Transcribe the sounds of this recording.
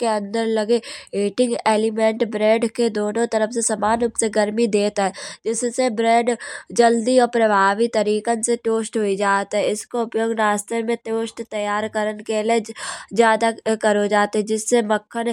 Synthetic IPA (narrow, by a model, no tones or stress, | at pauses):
keə̃nd̪əɾləɡeeːʈɪ̃ŋɡeːlɪmẽːɳʈbɾɛ̃ːɖked̪oːnõt̪ɐɾəfʰsesɐmaːnʊpseɡəɾmid̪eːt̪aɦɛːd͡ʒɪssebɾɛ̃ːɖd͡ʒəld̪iɔːɾpɾəbʱaːʋit̪əɾiːkənseʈoːsʈɦoid͡ʒaːt̪ɦɛɪskoʊpjoːɡɾaːst̪ʰəmẽʈoːʃʈt̪əjaːɾkəɾənkeled͡ʒjaːd̪akəɾod͡ʒaːt̪ɦɛd͡ʒɪsːeməkʰːən